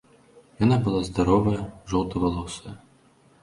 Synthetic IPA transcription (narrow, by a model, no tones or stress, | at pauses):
janabɨlˠazd̪aɾɔvɐjɐʐɔlw̪ˠt̪ɐvalˠɔsɐjɐ